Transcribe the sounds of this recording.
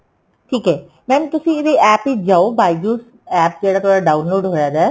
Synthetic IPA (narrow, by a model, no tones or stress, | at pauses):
ʈʰiːkɦɛː | mɛːmt̪ʊsĩeɾiɛːpid͡ʒaːobaːjd͡ʒuːs | ɛːp̚d͡ʒeɽat̪ʰoɽaɖaːwnloːɖɦojad̪a